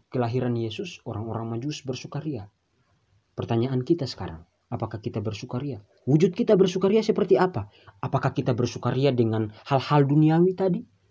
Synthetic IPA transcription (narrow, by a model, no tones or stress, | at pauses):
kəlaɦiɾanjɛsʊsɔɾaŋɔɾaŋmad͡ʒusbərsukaɾia | pərt̪aɲaʔankit̪asə̥ka̰ɾa̰ŋ | apakakit̪abərsukaɾia | wud͡ʒut̪̚kit̪abərsukaɾiasəpərt̪iapaː | pakahkit̪abərsukaɾiadəŋanhalhalduniawit̪adi